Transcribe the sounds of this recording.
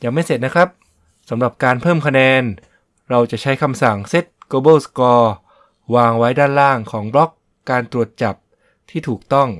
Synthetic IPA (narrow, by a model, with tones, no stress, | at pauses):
jaː˨˩ŋma˥˩jse˨˩t̪̚na˦˥kʰɾa˦˥p̚ | sa˩˦mɾa˨˩p̚kaː˧npʰɤː˥˩mkʰa˧nɛː˧n | ɾa˧wt͡ɕa˨˩ʔt͡ɕʰa˦˥jkʰa˧msa˨˩ŋse˦˥t̪̚ɡoː˧bɤː˥˩skɔː˧ | waː˧ŋwa˦˥jdaː˥˩nlaː˥˩ŋkʰɔː˩˦ŋblɔ˦˥kː | aː˧nt̪ɾu˨˩ət̪̚t͡ɕa˨˩p̚ | t̪ʰiː˥˩t̪ʰuː˨˩k̚t̪ɔ˥˩ŋ